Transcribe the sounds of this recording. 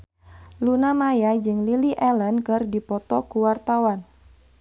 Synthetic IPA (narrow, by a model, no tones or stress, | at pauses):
lunamajad͡ʒɨŋliliʔɛlənkɨrdipɔt̪ɔkuwart̪awan